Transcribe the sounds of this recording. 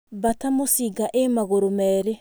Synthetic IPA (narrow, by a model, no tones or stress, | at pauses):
batamosiɡaʔemaɣoɾomɛːɾe